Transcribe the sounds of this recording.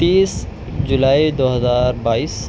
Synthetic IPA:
t̪iːs | d͡ʒʊlaːid̪oːɦəzaːɾbaːiːs

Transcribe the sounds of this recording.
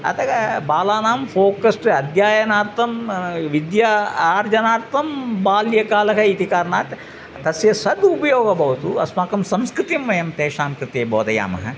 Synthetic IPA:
ɐ̰t̪ʰɐɡɐbaːlaːnaːmfoːkɐsʈɐd̪ʱjaːjɐnaːɾt̪ɐmʋid̪jaːɾd͡ʒɐnaːɾt̪ɐmbaːljɐkaːlɐkɐit̪ikaːɾnaːʈ | t̪ɐsjɐsɐd̪upɐjoːɡɐbɐʋɐt̪uɐ̰smaːkɐmsɐmskɾɨt̪imʋɐjɐmt̪eːʃaːmkɾɨt̪eːboːd̪ɐja̰ːmɐ̰ɦɐ̰

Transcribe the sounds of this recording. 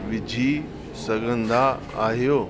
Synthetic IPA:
ʋɪd͡ʑʱi | sɐɡʱə̃nd̪a | aːɦijoː

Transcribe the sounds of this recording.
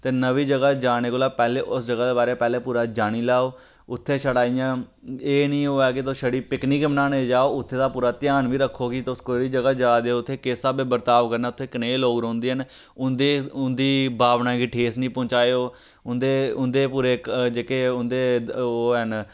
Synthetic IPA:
t̪eːnəʋiːd͡ʒəɡaːd͡ʒaːɽ̃eːkoːlaːpɛːleːʔʊsd͡ʒəɡaːd̪eːbaːɾeːpɛːleːpuːɾaːd͡ʒaːɽ̃iːlaːoː | ʊt̪ʰːeːʃəɽaːijãː | eːnĩːɦoːɛːkɪt̪oːʃəɽiːpɪkniːkbənaːneːd͡ʒaːoːʊt̪ʰːeːd̪aːpuːɾaːt̪ɪjaːnʋiːɾəkʰːoːkit̪ːʊskoːiːd͡ʒəɡaːd͡ʒaːd̪eoʊt̪ʰːeːkeːsaːbeːbəɾt̪aːʋkəɾnaːʊt̪ʰːeːkəneːloːɡɾõːnd̪eːɦən | ʊnd̪eːʊnd̪iːbʱaːʋnãːɡiːʈʰeːsnĩːpɔ̃ːt͡ʃaːeoː | ʊnd̪eːʊnd̪eːpuːɾeːkd͡ʒeːkeːʊnd̪eːɦən

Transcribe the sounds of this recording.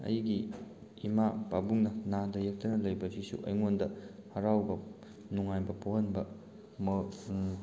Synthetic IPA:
ɐ̰jɡiː | mapabuŋnɐnadɐjek̚tɐnɐlɐjbɐzisṵʔɐ̰jŋondɐhɐɾawbɐ | nuŋajbɐpoɦɐnbɐ | m

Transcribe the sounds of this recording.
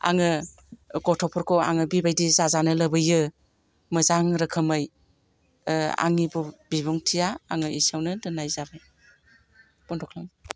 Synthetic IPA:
a̰ŋɯ | ɡɔtʰɔpʰɔɾkʰɔa̰ŋɯbibajdizazanɯlɐbɯjɯ | mɯzaŋɾɯkʰɯmɯj | a̰ŋibubiβɔŋtʰijaːŋɯisawnɯdɯnajzabɯj | b̥ɔntʰɔkʰlam

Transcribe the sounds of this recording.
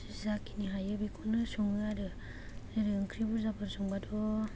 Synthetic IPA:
sizakiniɦajɯbikʰunɯsɔŋɯaɾɯ | ɾɯŋkʰɾibuzabʰɯɾsɔŋbadɔ

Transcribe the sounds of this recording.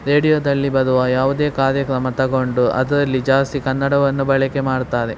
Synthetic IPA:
ɾe̞ːɽijoːd̪ɐlːibɐd̪uʋɐjaːʋud̪e̞ːkaːɾjɐkɾɐmɐt̪ɐɡo̞ɳɖuʔɐ̰d̪ɾɐlːid͡ʒaːst̪ikɐnːɐɽɐʋɐnːubɐɭɐke̞maːɽt̪aːɾe

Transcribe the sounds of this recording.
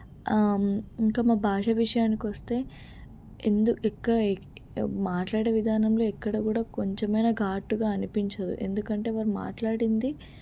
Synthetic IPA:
iŋkaːmaːbʱaːʂɐʋiʂɐjaːnikiʋɐst̪e̞ː | end̪ukɛkːɐɽɐ | maːʈlaːɽeːʋid̪ʱaːnɐmlo̞ːɛkːɐɽɐkuːɽaːko̞ɲt͡ʃemɐjnɐɡʱaːʈːuɡaːɐnipiɲt͡ʃɐd̪ṵʔe̞̰nd̪ukɐɳʈe̞ːʋaːɾuma̰ːʈlaːɽind̪i

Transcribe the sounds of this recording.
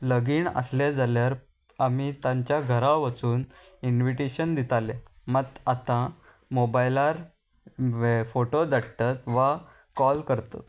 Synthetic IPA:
ləɡiːɳə̰sled͡zaljaɾ | amit̪ãɲt͡ɕjaɡʱəɾaʋət͡suːn | inʋiʈiɕənd̪it̪alemət̪at̪ã | mobajlaɾ | foʈod̪əɽt̪at̪ʋa | kɔlkəɾt̪o̰

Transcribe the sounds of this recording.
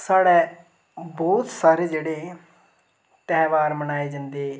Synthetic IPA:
saːɽɛː | bɔːt̪saːɾeːd͡ʒeːɽeː | t̪ɛːʋaːɾmənaːeːd͡ʒə̃nd̪eː

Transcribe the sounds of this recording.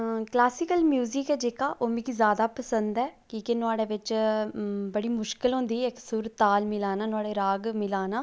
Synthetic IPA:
klaːsɪkəlmjuːzɪkɛːd͡ʒeːkaːʔoːmĩːkizjaːd̪aːpəsə̃nd̪ɛːkiːkenʊaːɽeːʋɪt͡ʃ | bəɽiːmʊʃkɪlɦʊ̃ːnd̪iːeksʊɾt̪aːlmɪlaːnaːnʊaːɽeːɾaːɡmɪlaːnaː

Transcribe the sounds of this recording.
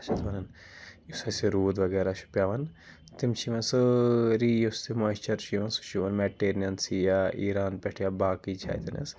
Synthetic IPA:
t͡ʃʰɐt̪ʰʋɐnɐn | usɐsiɾuːd̪ʋɐɡɛːɾaʃu̥pjaːʋɐn | t̪imt͡ʃʰiʋɐnsɨɾiːjust̪ʰimɐːt͡ʃɐɾt͡ʃiʋɐnsu̥ʃiʋɐnmɛʈeːɾijɐnsijaʔiːɾaːnpɛʈʰjaːbaːkit͡ʃʰa̰ːjt̪ɐnḛs

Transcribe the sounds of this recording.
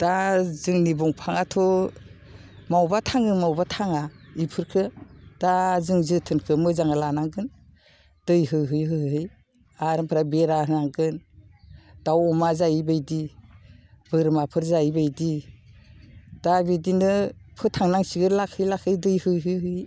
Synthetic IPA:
d̥azɯŋnibuŋpʰaŋatʰɔ | mawbatʰaŋɯmawbatʰaŋaipʰɯɾkʰɯd̥azɯŋzɯtʰɯnkʰɯmɯzaŋalanaŋɡɯn | d̥ɯjɦɯjɦɯjɦɯɦɦɯj | aɾɯmpʰɾabeɾahɯnaŋɡɯn | d̥awɔmazajibajdi | b̥ɯɾmapʰɯɾzajbajdi | d̥abidinɯpʰɯtʰaŋnaŋsiɡɯlakʰɯjlakʰɯjdɯjhɯjɦɯjɦɯj

